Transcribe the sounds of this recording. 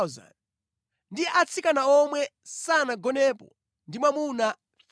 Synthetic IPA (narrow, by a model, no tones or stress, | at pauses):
za̰n | ndiʔat͡sʰikanaɔmwɛsanaɡɔnɛːpɔ̰ | ndimwamuna